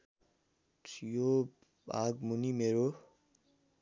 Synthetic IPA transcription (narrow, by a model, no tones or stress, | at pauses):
t͡sjo | baɡmunimeɾo